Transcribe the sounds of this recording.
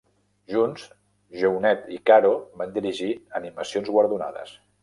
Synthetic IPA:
ʒunz | ʒɛwnɛt̪ikaɾoβand̪iɾiʒiəniməsionzɣwəɾðuna̰ðə̰s

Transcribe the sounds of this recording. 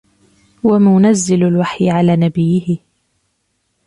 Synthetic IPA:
wamaʊnazːɪlalwaħjɪʕalaːnabɪjːɪhɪ

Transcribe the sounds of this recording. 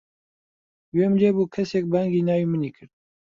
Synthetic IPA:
weːmd͡ʒeːbuːkʰɛsek̚baŋɡiːnaːwiːmɨniːkʰɨɾd̪̚

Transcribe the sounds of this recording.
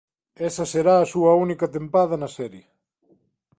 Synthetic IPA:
esɐseɾaːsuɐunikɐt̪empaðɐnɐsɛɾje

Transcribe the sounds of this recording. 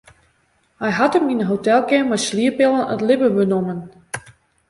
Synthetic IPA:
hɛjɦatəminəɦotɛlˠkɪmajsliəpɪlˠənə̰tlɪbəbənomən

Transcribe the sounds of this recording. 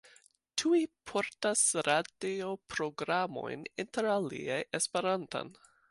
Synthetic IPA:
tʰuipʰo̞ɾtasɾadio̞pɾo̞ɡɾamo̞̰jninteɾalḭajespe̞ɾanta̰n

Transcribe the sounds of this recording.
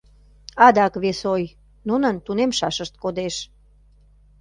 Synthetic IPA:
ɑd̪ɑkβesoj | nunənt̪unemʃɑʃəʃt̪̚kod̪eʃ

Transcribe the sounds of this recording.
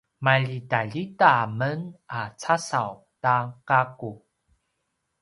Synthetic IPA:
maʎitaʎitamənat͡sasaw | takaku

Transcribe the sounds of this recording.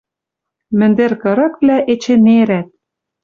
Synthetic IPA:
mɘ̆nd̪erkɤ̆ɾɤ̆kβlæʔet͡ɕĕneɾæt̪̚

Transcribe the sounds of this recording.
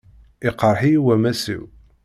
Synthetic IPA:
iqəɾˤħijwæmæsḭw

